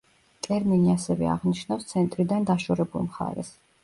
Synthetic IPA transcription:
t̪ʼɛɾminiasɛvɛ̰a̰ʁniʃnafst̪sʰɛnt̪ʼɾid̪and̪aʃɔɾɛbulˠmχa̰ɾɛ̰s

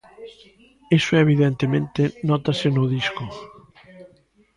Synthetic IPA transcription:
esoeβ̞iðẽnt̪emẽnt̪enɔt̪asenuðisko

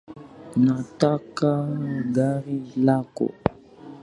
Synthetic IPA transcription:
natakaɡaɾilako̰

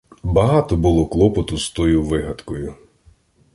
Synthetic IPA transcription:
bɐɦɑt̪ɔbʊlˠɔklˠɔpɔt̪ʊst̪ɔjʊʋɪɦɐd̪kɔjʊ

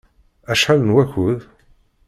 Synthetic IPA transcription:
æʃħalənwæçʊð

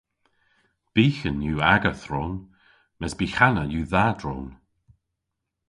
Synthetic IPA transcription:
b̥iːxənjuːaɡəθɾoːn | mɛzbiːxanəjuːðadɹoːn

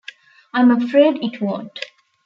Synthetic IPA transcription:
ãɪ̃məfɾeːɖɪʈʰwɔ̃ʈ

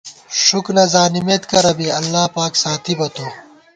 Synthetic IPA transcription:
ʂuknɐzaːnimeːt̪kɐɾɐbiɐlːaːpaːksaːt̪ʰibɐt̪oː

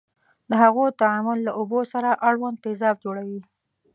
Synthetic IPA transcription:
d̪əɦaɣot̪aamʊlːaʔobosaɾaʔaɽwand̪ezɑfd͡ʒoɽawi

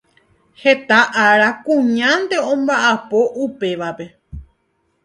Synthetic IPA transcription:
he̞t̪aʔaɾakũɲãnd̪e̞õ̞mbaʔapo̞ʔupe̞ʋape̞

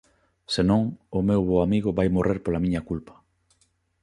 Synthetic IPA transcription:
senõŋʊmewβoamiɣʊβajmorʔeɾpolamĩɲɐkulpɐ̥

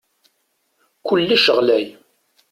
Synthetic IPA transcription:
kʷʊlːæʃəʁlæj

